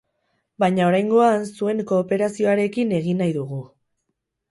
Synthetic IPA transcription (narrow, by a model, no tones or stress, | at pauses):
bajɲao̞ɾajŋɡo̞ansue̞ŋko̞ːpe̞ɾasio̞aɾe̞kine̞ɣ̞inajðuɣu